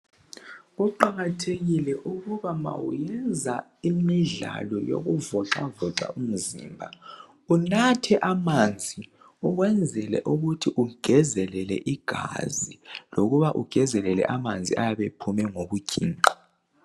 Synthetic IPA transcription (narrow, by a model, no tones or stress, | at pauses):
uǃaɣatʰeɣilɛʔuɣuβama̰wṵjɛnd͡zʱa | imiɮa̰lɔjo̰ɣuvɔǁavɔǁa̰um̩zḭːmbʱa | unatʰɛʔamand͡zʱi | uɣwɛnd͡zʱɛlɛ̰ʔuɣutʰiʔuɡ̥ʱɛzɛlɛlɛ̰ʔiɡ̥ʱa̰ziloɣuβaʔuɡ̥ʱɛzɛlɛlɛ̰ʔamand͡zʱiajaβepʰumɛŋoɣuɡ̥ʱiːǃḁ